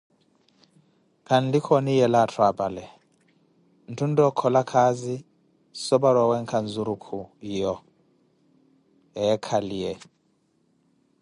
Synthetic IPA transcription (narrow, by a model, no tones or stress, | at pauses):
kʰanlikʰɔnijɛlatʰwabʼalɛ | n̩tʰun̩dɔkʰːɔlakʰazi | sɔbaɾwawɛŋkʰanzuɾukʰujɔ | ɛkʰalijɛ